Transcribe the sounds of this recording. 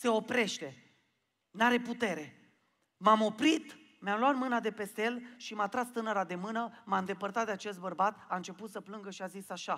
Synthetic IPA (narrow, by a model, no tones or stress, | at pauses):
se̞o̞pɾe̞ʃt̪e̞ | naɾe̞put̪e̞ɾe̞ | mamo̞pɾit̪ | mamlwat̪mɨnad̪e̞pe̞st̪eelʃimat̪ɾast̪ɨnəɾad̪e̞mɨnəmaɨnd̪e̞pərt̪at̪d̪eat͡ʃe̞st̪bərbat̪aɨnt͡ʃe̞put̪səplɨŋɡəʃiazisaʃa